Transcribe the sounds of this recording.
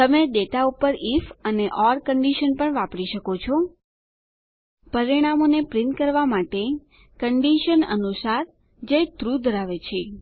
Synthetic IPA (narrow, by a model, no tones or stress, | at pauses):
t̪əmeɖet̪aupəɾifəneʔɔɾkəɳɖiʃənpəɳʋapɽiʃəkot͡ʃʰo | pəɾiɽ̃amonepɾɪnt̪kəɾʋamaʈe | kəɳɖiʃənə̰nusaɾ | d͡ʒet̪ɾud̪ʱəɾaʋet͡ʃʰe